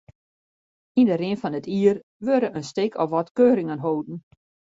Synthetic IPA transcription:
indəɾɪnfɔnətʰiːər | ʋøɾəʔənstɪkʰɔfʋɔtkøːɾɪŋənɦoːdn̩

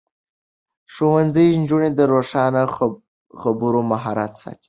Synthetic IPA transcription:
ʂowand͡zəjnd͡ʒuɳed̪əɾoʂɑna | xabuɾomaɦɑɾat̪sɑ̰t̪i̥

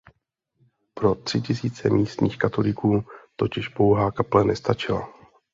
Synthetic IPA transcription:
pɾo̞t̪r̥ɪcɪsiːt͡sɛmiːst̪ɲiːxkat̪o̞lɪkuːt̪o̞cɪʃpo̞wɦaːkaplɛnɛst̪at͡ʃɪla̰

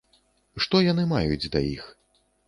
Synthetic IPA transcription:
ʂt̪ɔjanɨmajud͡zʲd̪ɐjḭx

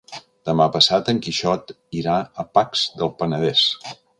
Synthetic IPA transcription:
d̪̥əmapəsat̪əŋkiʃɔt̪ | iɾaəpakz̥ðəlˠpənəðɛs

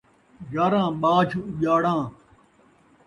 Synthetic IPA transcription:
ɡaːɾãːɓaːt͡ɕʰuʄaːɽãː

